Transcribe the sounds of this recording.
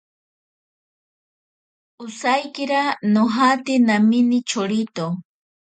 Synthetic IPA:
ʊsajkɪɾanoɦat̪ɪnamɪnɪt͡ʃʰoɾɪt̪o

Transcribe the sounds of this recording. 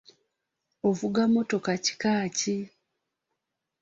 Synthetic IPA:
ovuɡamo̞to̞kaci̥kaːci

